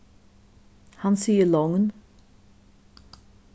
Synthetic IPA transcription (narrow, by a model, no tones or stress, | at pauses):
hãnsiəlɔŋə̃n